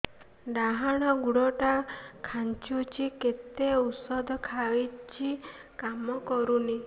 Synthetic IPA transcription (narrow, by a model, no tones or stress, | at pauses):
ɖ̪aɦaɽ̃ɔɡuɽɔʈakʰant͡ʃut͡ʃʰiket̪eusɔd̪ɔkʰait͡ʃʰikamɔkɔɾuni